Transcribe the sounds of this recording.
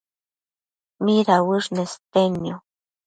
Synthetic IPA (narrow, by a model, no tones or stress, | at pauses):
miɾawɨʐnest̪enjo